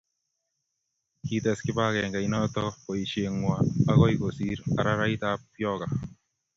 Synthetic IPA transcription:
kitɛ˨skɪba˦kɛ˨ŋɡa˨inɔtɔ˦pɔ˨iʃe˨ŋwaːkɔ˦ikosiɾa̰˨ɾa˦ɾa˦itapjɔka˨

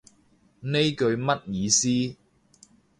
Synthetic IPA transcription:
ne˥jkɵ˧ɥmɐ˥t̚jiː˨˧siː˥

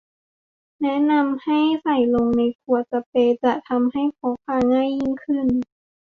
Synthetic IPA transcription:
nɛ˦˥ʔna˧mha˥˩jsa˧˩jlo˧ŋna˧jkʰu˧ɐt͡ɕa˧peː˧t͡ɕa˨˩t̪ʰa˧mha˥˩jkʰɔː˨˦kʰaː˧ŋaː˥˨jːi˧˥˨nkʰɯ˧˥˩n

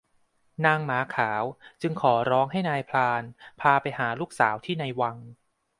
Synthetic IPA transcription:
naː˧ŋmaː˩˦kʰaː˩˦wt͡ɕɯ˧ŋkʰɔː˩˦ɾɔː˦˥ŋɦa˥˩jnaː˧jpʰlaː˧npʰaː˧pa˧jɦaː˩˦luː˥˩k̚saː˩˦wt̪ʰiː˥˩na˧jwa˧ŋ

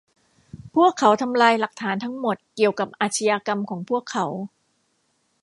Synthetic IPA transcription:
pʰu˥˩əkʰːa˩˦wt̪ʰa˧mlaː˧jla˨˩k̚t̪ʰaː˩˦nt̪ʰa˦˥ŋmo˨˩t̪̚ki˨˩əwka˨˩p̚ʔaː˨˩t̪ʰa˧jaː˧ka˧mkʰɔː˩˦ŋpʰu˥˩əkʰːa˩˦w

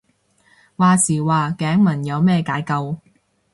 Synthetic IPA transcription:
waː˨˧siː˨˩waː˨kɛː˨˥ŋmɐ˨˩njɐ˨˧wmɛː˥˧kaː˨˧˥jkɐ˧w

